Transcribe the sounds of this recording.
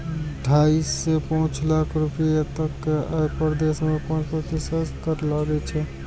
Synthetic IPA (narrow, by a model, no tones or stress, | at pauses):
ʈʰaisːepə̃ɦʊ̃t͡ʃlakʰɾupijet̪əkːapəɾd̪esmepənt͡ʃpət̪isəkəɾelaɡɛt͡ʃʰɛ